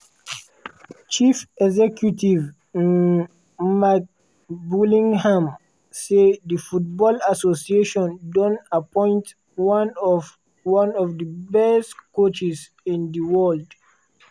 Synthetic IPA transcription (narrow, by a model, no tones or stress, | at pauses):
t͡ʃifɛɡzɛkjutiv | mak̚ | bulĩŋhãm | sedifut̚bɔlasosieʃɔ̃ndɔ̃napɔ̃ɪ̃nt | an | wãnɔvdibɛstkot͡ʃis | ĩndiwɛld